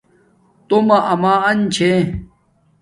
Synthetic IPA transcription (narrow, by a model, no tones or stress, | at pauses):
t̪omɐʔɐmaːɐnt͡ɕʰẽ